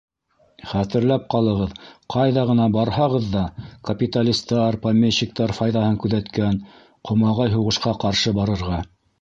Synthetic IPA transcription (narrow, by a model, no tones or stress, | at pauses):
χæt̪ɘ̆ɾlæp̚qɑlˠɤ̆ʁɤðqʰɑjðɑʁɤ̆nɑbɑɾhɑʁɤðːɑkɐpʲit̪alʲist̪ɑɾpamʲeɕːik̚t̪ɑɾfɑjðɑhɤŋkʉðæt̪kæn | qʰŏmɑʁɑjɦuʁɤ̆ʃqɑqɑɾʃɤbɑɾɤ̆ɾʁɑ